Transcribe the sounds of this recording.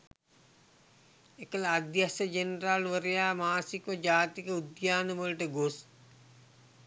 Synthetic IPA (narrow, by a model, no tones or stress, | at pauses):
ekələːd̪jasəd͡ʒenralʋəɾejaːmaːsikʋəd͡ʒaːt̪ikəud̪jaːnəʋəlʈəɡos